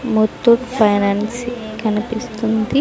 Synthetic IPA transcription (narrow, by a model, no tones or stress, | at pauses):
mot̪ːuʈpʰɐjnaːnsikɐnipist̪und̪i